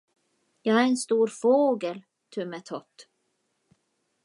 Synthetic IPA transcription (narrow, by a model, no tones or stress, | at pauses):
jɑːɡæɾɛnst̪uːɾfoːɡəl | t̪ʰɵmɛt̪ʰɔt̪ː